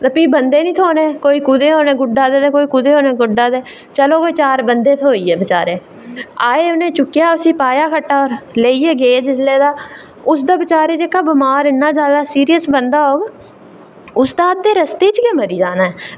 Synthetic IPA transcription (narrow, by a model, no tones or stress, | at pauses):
t̪əpiːbənd̪eːnĩːt̪ʰoːneːkoːiːkʊd̪eːɦoːneːɡʊɖaːd̪eːd̪eːkoːiːkʊd̪eːɦoːneːɡʊɖːaːd̪eː | t͡ʃəloːkoit͡ʃaːɾbənd̪eːt̪ʰoːiːɛːbɪt͡ʃaːɾeː | aːeːʊnẽːt͡ʃʊkːjaːʊsiːpaːjaːkʰəʈːaːɔːɾleːiːeːɡeːd͡ʒɪsleːd̪aː | ʊsd̪aːbɪt͡ʃaːɾeːd͡ʒeːkaːbɪmaːɾɪnːaːd͡ʒjaːd̪aːsiːɾijəsbənd̪aːɦoːɡ | ʊsd̪aːt̪ːeːɾəst̪eːt͡ʃkeməɾiːd͡ʒaːnaːɛː